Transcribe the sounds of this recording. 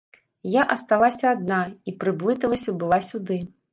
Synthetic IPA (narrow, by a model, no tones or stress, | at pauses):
jaʔɐst̪alˠasʲɐːd̪naipɾɨblˠɨt̪ɐlˠɐsʲɐbɨlˠasʲud̪ɨ